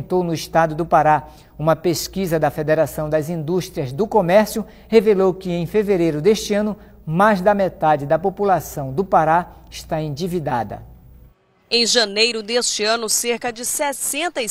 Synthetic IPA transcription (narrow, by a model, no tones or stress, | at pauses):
t̪ownʊist̪ad̪ʊd̪ʊpaɾa | ũmɐpeskizɐd̪ɐfed̪eɾasɐ̃w̃d̪ɐzĩnd̪uʃt̪ɾiɐzd̪ʊkomɛɾsjʊ | hevelowkɪẽj̃feveɾejɾʊd̪eʃt͡ʃɪɐ̃nʊ | majzd̪ɐmet̪ad͡ʒɪd̪ɐpopulasɐ̃w̃d̪ʊpaɾaɪʃt̪aẽd͡ʒivid̪ad̪ɐ̰ | ẽj̃ʒɐ̃nejɾʊd̪est͡ʃɪɐ̃nʊseɾkɐd͡ʒɪsɛsẽnt̪ɐ